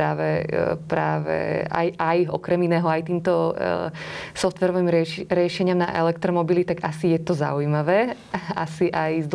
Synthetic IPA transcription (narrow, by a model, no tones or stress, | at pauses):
aːʋɛpɾa̰ːʋɛ̰a̰jajɔ̰kɾɛminɛːɦɔajt̪iːmt̪ɔ | sɔft̪ʋɛɾɔʋiːmɾɛɾɪɛʃɛɲɪamna̰ʔɛ̰lɛk̚t̪ɾɔmɔbilit̪aɡasijɛt̪ɔza̰ujmaʋɛː | a̰siʔajzd̪